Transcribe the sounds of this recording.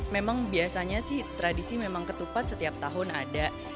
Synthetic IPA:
memaŋbiasaɲasɪht̪ɾadisimemaŋkət̪upat̪̚sət̪iap̚t̪aɦʊna̰da

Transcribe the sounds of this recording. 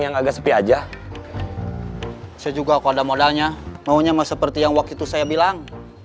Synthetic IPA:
jaŋaɡaʔsəpiad͡ʒa | sjad͡ʒuɡaːkuadamodalɲamauɲamasəpərt̪ijaŋwak̚t̪ut̪usajabilaŋ

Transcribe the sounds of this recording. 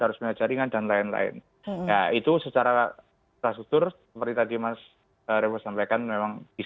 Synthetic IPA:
haɾʊsməŋad͡ʒaɾiŋandanlaɪnla̰ɪ̰n | jait̪usət͡ʃaɾa | p̪ɾasuk̚t̪ʊrsəəpəɾrt̪it̪adimas | əɾebəsampajkanmemaŋb̥is

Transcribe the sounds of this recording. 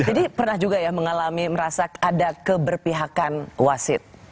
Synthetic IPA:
d͡ʒadipərnahd͡ʒuɡajaməŋalamiməɾasakadakəbərpiɦakanwasɪt̪̚

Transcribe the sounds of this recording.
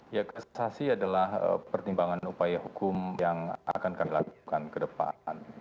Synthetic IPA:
jakəsasiadalahə̰pərt̪imbaŋanupajahukʊmjaŋʔa̰kankamilakukankədəpa̰n

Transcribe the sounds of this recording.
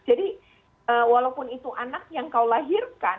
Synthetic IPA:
d͡ʒadi | əːwalaupʊnit̪uʔanak̚jaŋkawlaɦirkan

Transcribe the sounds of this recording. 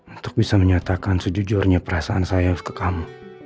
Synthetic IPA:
unt̪ʊ̥k̚bisaməɲat̪akansəd͡ʒud͡ʒʊrɲapəɾasaːnsajakə̥kamu

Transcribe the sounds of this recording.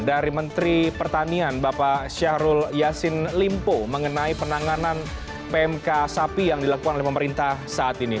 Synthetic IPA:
daɾimənt̪ɾipərt̪anianbapaʃahɾʊljasɪnlimpoməŋənaipənaŋanan | peɛmkasapijaŋdilakukanolɛhpəməɾint̪ahsaʔːt̪ini

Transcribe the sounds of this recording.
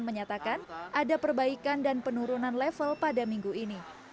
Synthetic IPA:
nməɲat̪akanʔadapərbaikandanpənuɾunanlɛfəlpadamiŋɡuini

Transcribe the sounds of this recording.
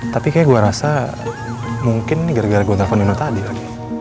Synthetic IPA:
t̪apikajaɡuaɾasa | muŋkɪnːɪɡaɾaɡaɾɡuad̪afanunut̪adikaɡi

